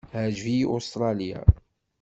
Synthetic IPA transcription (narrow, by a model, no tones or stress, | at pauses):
hæʒviʔost̪ɾˤɑlija̰